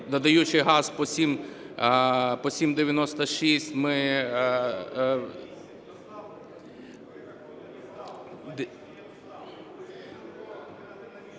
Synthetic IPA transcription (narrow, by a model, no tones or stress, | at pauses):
d̪ɐd̪ɐjut͡ʃɪjɦɑz̥pɔsʲim | pɔsʲimd̪eʋʲjɐnɔst̪ɐʃisʲtʲmɪ | d̪